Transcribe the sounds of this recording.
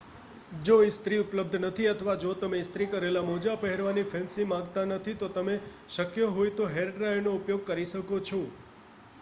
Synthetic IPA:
d͡ʒoɪst̪ɾiʊpləb̚d̪ʱnət̪ʰiət̪ʰəʋad͡ʒot̪əmeɪst̪ɾikəɾelamod͡ʒapəɦɛɾʋanifʰɛ̃nsimãŋɡt̪anət̪ʰit̪ot̪əme | ʃəkjəɦojt̪oɦeɾɖɾajɾnoupjoɡ̚kəɾiʃəkot͡ʃʰo

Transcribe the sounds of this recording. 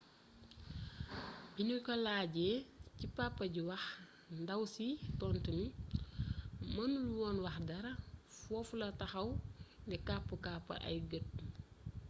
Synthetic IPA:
binukɔlaːɟɛcipapːɐɟiwɐx | ndɐwsitɔntəmi | mɐnuluwɔnwɐxdɐɾɐfɔfulɐtɐxɐwndɛkapːəkaːpːɐ̰ʔɐ̰jɡət̚

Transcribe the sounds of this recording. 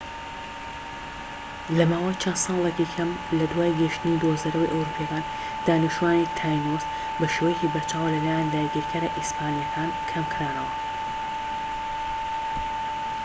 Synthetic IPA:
lɐmaːwɐjt͡ʃʰɐnsɑːlˠecikʰɐmlɐd̪waːjɡəʃt̪ɨnid̪uhzɐɾowḭjʔɐwɾuːpʰijɛkaːn | d̪̥aːnɨʃtuwaːnit̪ʰaːjnos | bɐʃeːwejecibɐt͡ʃʰaːwɐlɐlaːjand̪aːjɡiɾkʰɐɾɐʔispaːnijɐkʰaːnkʰɐmkʰɾaːnɐwɐ

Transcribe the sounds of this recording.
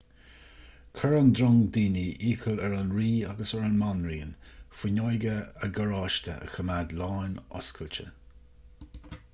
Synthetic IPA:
kʰəɹand̪ɾɔŋd̪iːniʔiːxəlɛɹanɹiːa̰ɡəsɛɹənmanɹiːənfɪnɔjɡəəɡəɹɑːʃt̪ʰə̰ʔə̰xəmadlaːnɔ̰skʰəlt͡ʃə̰

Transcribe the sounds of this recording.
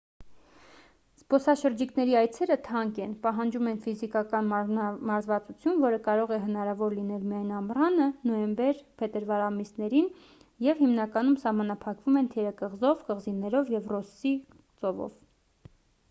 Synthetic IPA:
spɔsɑʃəɾd͡ʒiknɛɾiɑjt͡sʰɛɾət̪ʰɑŋkɛnpɑɦɑnd͡ʒumɛnfizikɑkɑnmɑɾzvɑt͡sut͡sʰjunvɔɾəkɑɾɔʁɛɦənɑɾɑvɔɾlinɛlmiɑjnɑmrɑnənɔjɛmbɛɾpʰɛt̪əɾvɑɾɑmisnɛɾin | jɛvhimnɑkɑnumsɑhmɑnɑpʰɑkvumɛnt̪ʰɛɾəkəʁzɔvkəʁzinɛɾɔvjɛvrɔsi | t͡sɔvɔ̰v

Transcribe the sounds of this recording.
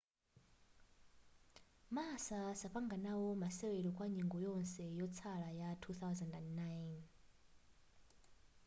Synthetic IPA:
masasaɸaŋɡanawɔmasɛwɛɺɔkʼwaɲiŋɡɔjɔnsɛjɔt͡sʰalajatʰuθawzandandnajn

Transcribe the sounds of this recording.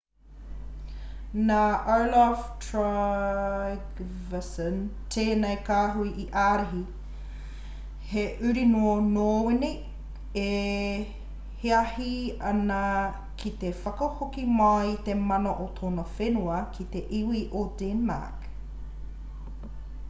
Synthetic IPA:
naʔalaftʰɹa | ɡvɐsənt̪ʰeːnejkaːɦuiʔiʔaːɾeɦi | heʔʉɾinoːnoːwini | e | heɐhiɐnɐ | kʰit̪efɐkɐhokimɐit̪emɐnoʔot̪ʰoːnɐfenuɐkʰit̪eʔiwiʔodenma̰k

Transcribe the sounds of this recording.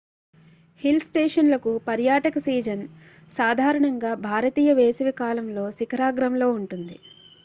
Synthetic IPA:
hilsʈeːʂɐnlɐkupɐɾjaːʈɐkɐsiːd͡ʒɐn | saːd̪ʱaːɾɐɳɐŋɡaːbʱaːɾɐt̪iːjɐʋeːsɐʋikaːlɐmlo̞ːsikɐɾaːɡɾɐmlo̞ːuɳʈund̪i

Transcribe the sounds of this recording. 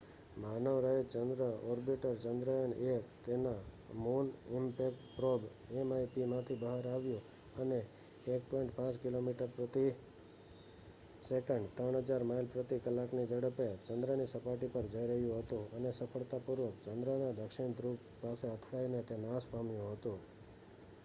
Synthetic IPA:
manəʋɾəet͡ʃənd̪ɾəɔɾbiʈəɾt͡ʃənd̪ɾəjənekt̪ena | munɪmpekʈpɾob | emajpimãt̪ʰibəɦaɾaʋjũ | əneː | k̚pɔ̃iɳʈpãt͡ʃkɪlomiʈəɾpɾət̪i | sekəɳɖt̪ɾəɳ̃ɦəd͡ʒaɾmailpɾət̪ikəlːaknid͡ʒəɽəpet͡ʃənd̪ɾənisəpaʈipəɾd͡ʒəjɾəɦjũɦət̪ũənesəpʰəɭt̪apuɾʋək̚t͡ʃənd̪ɾənad̪əkʃɪɳ̃d̪ɾup | paseət̪ʰɽainet̪enaspamjũɦət̪ũ

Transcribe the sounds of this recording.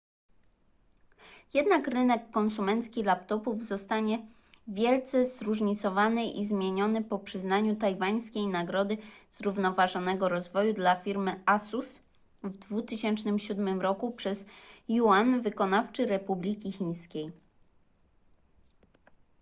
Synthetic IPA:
jɛd̪nakɾɘnɛkːɔnsumɛnt̪skʲilapt̪ɔpuvzɔst̪aɲɛ | vʲjɛlt̪sɛzɾuʐɲit̪sɔvanɘʔizmʲjeɲɔnɘpɔpʂɘznaɲut̪ajvaɲ̃skʲejnaɡɾɔd̪ɘz̥ɾuvnɔvaʐɔnɛɡɔɾɔzvɔjud̪lafʲiɾmɘasus | vd̪vut̪ɘɕɛnt͡ʂnɘmɕud̪mɘmɾɔkupʂɛzjuanvɘkɔnaft͡ʂɘɾɛpublʲikʲixʲiɲ̃skʲej

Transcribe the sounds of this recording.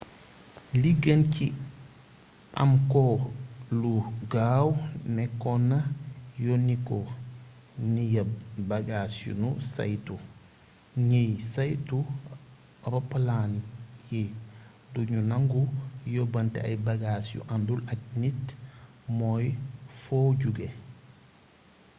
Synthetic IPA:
liɡɐnci | ʔɐ̰mkɔluɡaːwnɛkɔnɐjonikɔ | nijɐbaɡasjṵnusa̰jtu | ɲejsajtu | bɐpəlanije | duɲunaŋɡujobɐntḛa̰jbaɡasjṵʔandulatnit | mojfoɟuɡe

